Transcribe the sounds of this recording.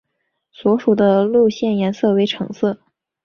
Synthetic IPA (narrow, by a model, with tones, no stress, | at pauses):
swɔ˧˥ʂu˨˩d̪ə˦lu˥˧ɕjɛ˥˩njɛ˧˥nsɤ˥˩we˧˥ɪʈ͡ʂʰɤ˧˥ŋsɤ˥˩